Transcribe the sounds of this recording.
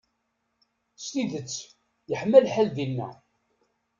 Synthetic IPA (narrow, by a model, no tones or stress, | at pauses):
st̪iðət͡sː | jəħmːælħælðinːæ̰